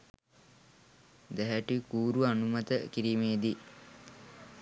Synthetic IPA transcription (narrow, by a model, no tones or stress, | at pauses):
d̪ɛɦæʈikuːɾuanumɐt̪əkiɾiːmeːd̪i